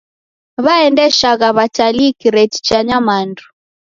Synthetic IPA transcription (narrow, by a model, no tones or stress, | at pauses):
βaɛndɛʃaɣaβat͡ʃalikiɾɛti̥t͡ʃaɲamandu